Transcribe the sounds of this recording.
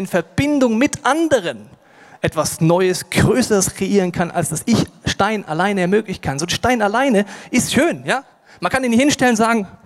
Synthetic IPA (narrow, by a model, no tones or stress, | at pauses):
ɪnfɛɐb̥ɪndʊŋmɪtʔandəʁ̞ən | ʔɛtv̥asnɔʏəsɡ̥ʁøːsəʁəskʁ̥eʔiːʁ̞ənkʰanʔa̰lsd̥asɪçʃtaɪnʔa̰laɪnəɛɐmøːklɪçn̩kʰanzoːdʃtaɪnalaɪnəʔɪstʃøːnjaː | mankʰandiːnɪhɪnʃtɛlənzaːɡŋ̩